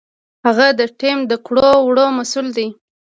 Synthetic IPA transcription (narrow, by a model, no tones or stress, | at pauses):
haɣad̪əʈemd̪əkɽowɽomasuld̪i